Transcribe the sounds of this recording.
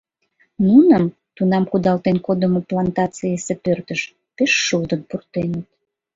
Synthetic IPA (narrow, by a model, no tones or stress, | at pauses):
nunəm | t̪unɑmkud̪ɑlt̪enkod̪əmoplɑnt̪ɑt͡siesepørt̪əʃ | peʃːuld̪ənpurt̪enət̪̚